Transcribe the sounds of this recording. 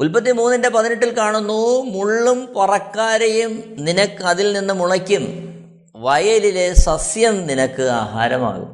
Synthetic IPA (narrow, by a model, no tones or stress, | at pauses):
ulpɐt̪ːimuːnːɐndepɐðineʈ̬ːilkaːɳunːumuɭːumpɐrɐkːaːɾɐjumninɐkːɨɐðilninːɨmuɭɐkʲːum | ʋɐjɐlile̞sɐsjɐmninɐkːɨa̰ːɦa̰ːɾɐma̰ːɣṵm